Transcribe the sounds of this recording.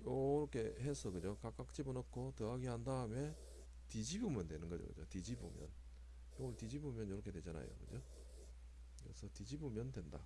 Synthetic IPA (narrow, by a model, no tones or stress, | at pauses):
jʌɾʌkʰe̞ɦesʰʌkɯd͡ʑokak͈ak̚t͡ɕ͈ibɯnʌkʰotɯaɡihandaɯme | tid͡ʑibumjʌndwe̞nɯnɡʌd͡ʑo̰kɯ̰d͡ʑotid͡ʑibo̰mjʌ̰n | joŋʌɭtid͡ʑibumjʌnjʌɾʌkʰe̞dwe̞d͡ʑana̰jo̰kɯd͡ʑo | kɯɾesʰʌtid͡ʑibumjʌndwe̞nda